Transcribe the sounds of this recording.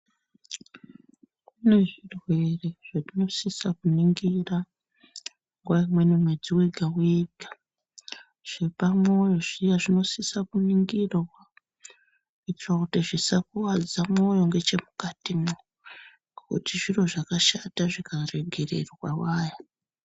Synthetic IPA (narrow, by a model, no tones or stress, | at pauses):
kune̞ʐirwe̞re̞ʐ̥atino̞sisakuniŋɡira | ŋɡwaimwe̞nimwe̞d͡ziweɡʱaweɡʱa | ʐ̥epamo̞jo̞ʐijaʐino̞sisakuniŋɡirwa | it͡ʃrakutiʐisakuwad͡zamo̞jo̞ŋɡe̞t͡ʃe̞mukatimo | kṵtiʐiro̞ʐakaʃataʐikare̞ɡʱe̞rḛrwawaːja